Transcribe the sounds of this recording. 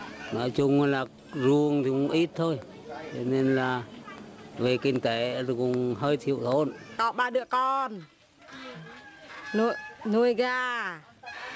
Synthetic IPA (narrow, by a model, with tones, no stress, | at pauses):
nɔ̰˧˦jt͡ɕʊ˧ŋ͡mlaː˨˩ | zu˨˩əŋt̪ʰi˨˩kʊ̰˧˥ŋ͡mʔi˦˥t̚t̪ʰo˧j | t͡ɕɔ˧˦ne˧nlaː˨˩ | ve˨˩kï˧ŋ̟t̪e˨˩˦kʊ˨˩ŋ͡mɦəː˧jt̪ʰḭ˧˨ə˨wt̪ʰo˧nkɔ˨˦ɓaː˧˩ɗɨ˧˨əkɔ˧n | nu˧jnu˧˩əjɣaː˧